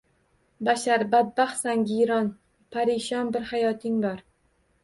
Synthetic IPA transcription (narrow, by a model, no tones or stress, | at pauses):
baʃaɾbad̪̚baχsaŋɡʲijɾɒn | pʰaɾɪʃɒnbɪɾhajɒt̪ʰɪŋbɒɾ